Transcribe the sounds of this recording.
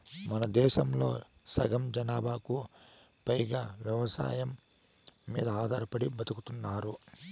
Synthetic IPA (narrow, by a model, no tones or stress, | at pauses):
mɐnɐd̪ɛːʃɐmlo̞̰ː | sɐɡɐmd͡ʒɐnaːbʱaːku | pɐjɡaːʋjɐʋɐsa̰ːjɐmː | iːd̪ɐaːd̪aːɾɐpɐɽibɐt̪ukut̪unːaːɾu